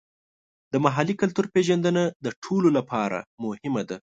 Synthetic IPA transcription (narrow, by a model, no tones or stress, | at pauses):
d̪əmaɦalikalt̪uɾpeʒand̪ənad̪əʈʰololapʰɑɾa̰mʊhɪmad̪a